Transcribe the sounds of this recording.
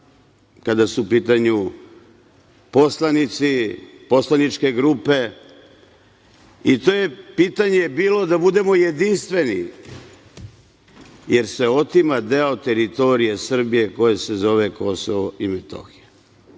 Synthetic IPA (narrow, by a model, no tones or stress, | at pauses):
kad̪asupiːt̪aɲu | po̞slanit̪si | po̞slˠanit͡ʃke̞ɡɾuːpe̞ | it̪o̞je̞piːt̪aɲebiːlo̞d̪abud̪e̞mo̞jed̪inst̪ʋe̞nḭ | jeɾse̞o̞t̪imad̪eot̪eɾit̪o̞ɾije̞sr̩bije̞ko̞jese̞zo̞ʋe̞ko̞soʋoimet̪o̰xije